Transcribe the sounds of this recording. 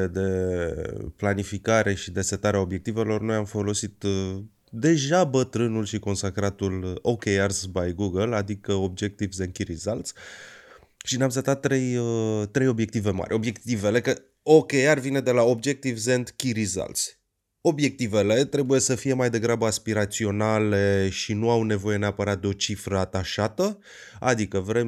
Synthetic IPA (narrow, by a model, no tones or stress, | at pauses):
d̪e̞ | planifikaɾe̞ʃid̪e̞se̞t̪aɾeaobje̞kt̪ive̞lo̞rno̞jamfo̞lo̞sit̪ | d̪e̞ʒabət̪ɾɨnulʃiko̞nsakɾat̪ulo̞kejarsbajɡuɡəlad̪ikəo̞b̚d͡ʒek̚t̪ivzend̪kʲiɾizalt̪s | ʃineamset̪at̪ːɾe̞jət̪ɾe̞jo̞bje̞k̚t̪ive̞ma̰rʲo̞bje̞kt̪ive̞le̞kə | o̞kejarvine̞d̪e̞lao̞bd͡ʒe̞k̚t̪ivze̞nd̪kʲiɾiza̰lt̪s | o̞bje̞k̚t̪ive̞le̞t̪ɾe̞buje̞səfije̞majd̪e̞ɡɾabəaspiɾat̪sio̞nale̞ʃinuawne̞vo̞je̞ne̞apəɾat̪̚d̪eo̞t͡ʃifɾəat̪aʃat̪ə | a̰d̪ikəvɾe̞m